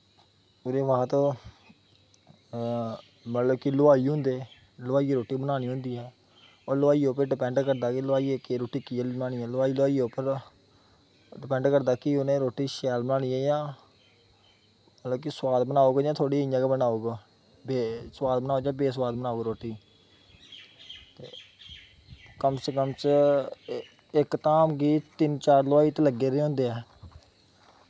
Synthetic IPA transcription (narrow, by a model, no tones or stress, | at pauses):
ʊd̪eːʋəɦãːt̪õː | mət̪ləbkilʊaːiːɦʊ̃nd̪eː | lʊʋaːiːeɾoːʈiːbənaːñiːɦʊ̃nd̪iːɦɛː | oːɾlʋaːiːoːpəɖɪpɛ̃ːɳɖkəɾd̪aːkɪlʊaːiekeɾoːʈiːkinaːñiːɛːlʊaːiːlʊaːiːopəɾ | ɖɪpɛ̃ːɳɖkəɾd̪aːkɪʊnẽːɾoːʈːiːʃɛːlbənaːɽ̃iːɛːjãː | əət̪ləbkɪswaːd̪bənaːoːɡd͡ʒãːt̪ʰoːɽiːjãːkebənaːoːɡ | beswaːd̪bənaːoːd͡ʒãːbeːs̬waːd̪bənaːoːɡɾoːʈiː | t̪ḛː | kəmsəkəmt͡ʃ | ɪkt̪aːmɡiːt̪t̪ɪnt͡ʃaːɾlʊaːiːt̪eləɡːeːɾeːɦõːnd̪eːɛː